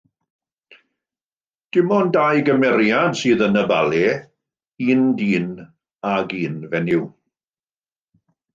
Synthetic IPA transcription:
d̥ɪmɔndajɡəmɛɾjadsɨːðənəba̰lˠɛ | iːndiːn | aɡiːnvɛnɪw

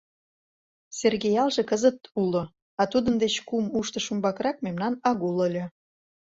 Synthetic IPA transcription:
serɣejɑlʒekəzət̪ulo | ɑt̪ud̪ənd̪et͡ɕkumuʃt̪ə̆ʃumbɑkɾɑk̚memnɑnɑɣuləlʲø̆

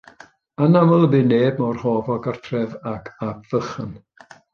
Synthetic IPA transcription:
anamɔlˠəbɪːneːbmɔrhɔːvɔɡartʰrɛvakʰabv̥əχən

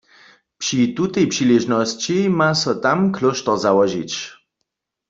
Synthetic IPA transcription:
pʂit̪ut̪ɛjpʂiliʒnɔst͡ɕimasɔt̪amklɔʃt̪ɔʁzawɔʒḭt͡ɕ

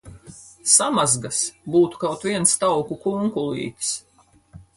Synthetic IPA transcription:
samazɡasbuːt̪u̥kawt̪viɛnst̪awkukuŋkulˠḭːk̪s

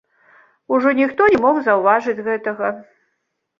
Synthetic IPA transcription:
uʐɔnʲixt̪ɔnʲɛmɔɣzɐwvaʐɨd͡zʲɣɛt̪ɐɣɐ

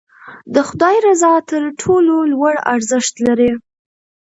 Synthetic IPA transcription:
d̪əxʊd̪ɑjɾazɑt̪əɾʈʰololwaɽa̰ɾzəʃt̪laɾi

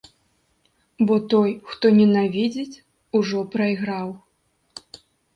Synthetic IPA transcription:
bɔt̪ɔjxt̪ɔnʲɛnavʲid͡zʲit͡sʲ | uʐɔpɾɐjɣɾaw

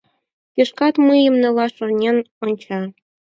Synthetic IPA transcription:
kʲeʃkɑt̪mɯjɤ̆mnɤ̆lˠɑʃɤ̆rnʲen | onʲt͡ɕɑ

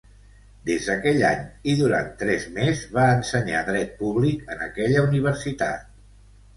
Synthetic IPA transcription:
d̪ezðəkɛʎa̰ɲiðuɾa̰nt̪ːɾɛzmezβaənsəɲa̰ðɾɛt̪̚puβlikənə̰kɛʎəuniβ̞əɾsit̪a̰t̪̚

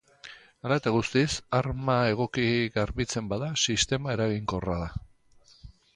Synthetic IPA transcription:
alat̪aɣust̪isaɾmae̞ɣ̞o̞kiɣaɾβit͡se̞mbaðasist̪e̞mae̞ɾaɣiŋko̞raða

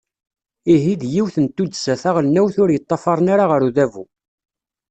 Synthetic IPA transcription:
iɦid̪jiwθənt̪ːud̪sæθæʁlnæwθʊɾjət̪ˤːɑfɑɾˤənaɾaʁəɾuðævṵ

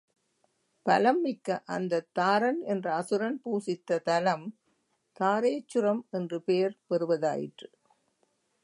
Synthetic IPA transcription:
pɐlɐmːɪkːɐʔɐnd̪ɐt̪ːaːɾɐnɛndrɐɐsɯɾɐnpuːsɪt̪ːɐt̪ɐlɐm | t̪aːɾeːt͡ʃːɯɾɐmɛndrɯpejɐɾpɛɾɯʋɐða̰ːjɪ̰ʈrɯ

